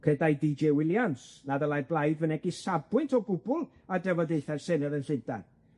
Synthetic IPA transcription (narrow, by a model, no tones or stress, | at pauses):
kʰədajdid͡ʒewɪlˠjansnaðəlˠajrblˠajdvənɛɡisabwɪntʰɔɡʊbʊlˠ | adɛvɔdeɨθarsɛnəɾənɬɪnta̰n